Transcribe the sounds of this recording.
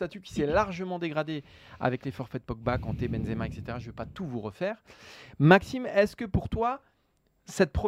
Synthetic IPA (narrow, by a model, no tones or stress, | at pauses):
t̪at̪ykʲi̥sɛlaʁʒəmɑ̃d̪eɡʁad̪e | a̰vɛklefɔʁfɛt̪̚pɔk̚bakɑ̃t̪ebɛnzemaɛkset̪eʁaʒəvøpat̪uvuʁəfɛːʁmaksimɛskəpuʁt̪wa | sɛt̪̚pχɔ